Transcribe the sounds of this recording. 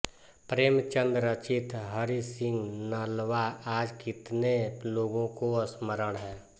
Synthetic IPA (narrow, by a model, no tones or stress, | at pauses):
pɾeːmt͡ʃə̃nd̪ɾət͡ʃɪt̪ʰɦəɾisɪ̃ŋɡnəlʋaaːd͡ʒkɪt̪neloːɡõkoəsməɾəɽ̃ɦɛː